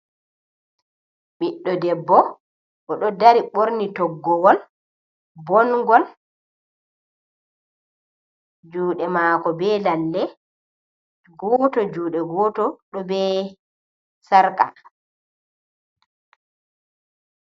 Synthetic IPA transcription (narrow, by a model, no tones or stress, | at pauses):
ɓiɗːɔdɛbːɔ | ʔɔɗɔdaɾiɓoɾnitɔɡːɔwɔl | bɔnɡɔl | d͡ʒuːɗɛmaːkɔbɛːlandɛ | ɡɔːtɔd͡ʒuːɗɛɡɔːtɔɗɔbɛ | saɾka̰